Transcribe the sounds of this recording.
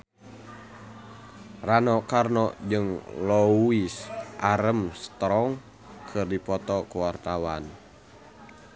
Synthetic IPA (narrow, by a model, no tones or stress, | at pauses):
ranɔkarnɔd͡ʒɨŋlɔisʔaɾəmsə̥t̪ɾɔŋ | kʰɨrdipɔt̪ɔkuwart̪awan